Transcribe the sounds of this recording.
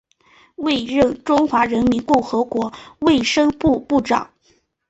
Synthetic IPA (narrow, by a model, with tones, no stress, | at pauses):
we˥˧ɪɻə˥˩ŋʈ͡ʂʊ˥ŋxwa˧˥ɻə˧˥nmi˧˥nkʊ˥˩ŋxɤ˧˥kwɔ˧˥we˥˩ɪʂɤ˥ŋpu˥˧pu˥˩ʈ͡ʂɑ̰˨˩˦